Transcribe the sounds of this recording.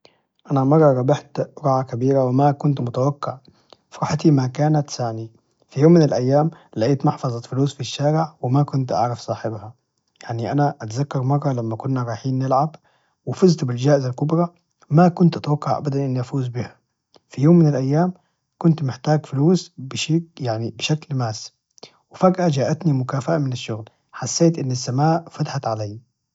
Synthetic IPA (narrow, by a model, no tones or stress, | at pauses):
ʔanamɑrˤːɑɾˤɑbɪħt̪ɾɑʕakabiːɾawɪmakʊnt̪mʊt̪awakːɪʕ | fɾˤɑħt̪imakaːnat̪saʕni | fijoːmːɪnɪlʔajːaːmlaʔiːt̪mɑħfɑzˤɑt̪fʊluːsfiʃːaːɾɪʕwɪmakʊnt̪ʔɑ̰ʕɾɑfsˤɑːħɪbha | jaʕniʔanaʔat̪zakːɑɾˤmɑrˤːɑlamːakʊnːaɾˤɑːjħiːnːɪlʕab | wɪfɪzt̪bɪld͡ʒaːʔɪzalkʊbɾˤɑ | makʊnt̪ʔat̪awakːɑʕʔa̰bad̪anʔɪnːiʔafuːzbiha | fijoːmːɪnɪlʔajːaːm | kʊnt̪mɪħt̪aːɡfʊluːsbɪʃjaʕnibɪʃaklmaːs | wɪfaɡʔad͡ʒaːʔat̪nimʊkaːfaʔamɪnɪʃːʊɣl | ħasːeːt̪ʔɪnːasːamaːʔfat̪aħat̪ʕalajː